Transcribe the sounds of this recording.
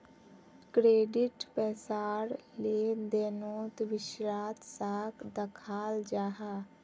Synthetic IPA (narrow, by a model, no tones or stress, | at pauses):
kɾeːɖɪʈpɛːsaːɾled̪eːnoːt̪ʋɪʃɾaːt̪saːkʰd̪əkʰaːld͡ʒaːɦaː